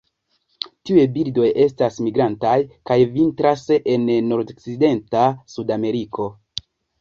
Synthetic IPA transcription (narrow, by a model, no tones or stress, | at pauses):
tiuebildo̞je̞stasmiɡɾantajkajvintɾase̞nːo̞ɾdkside̞ntasudame̞ɾikʰo̞